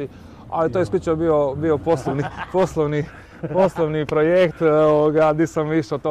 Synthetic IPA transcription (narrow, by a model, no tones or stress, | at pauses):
i | a̰lit̪ojesklut͡ʃobiobioposlˠoʋniposlˠoʋni | poslˠoʋnipɾojekt̪oʋoɡaniːsamʋiʃot̪o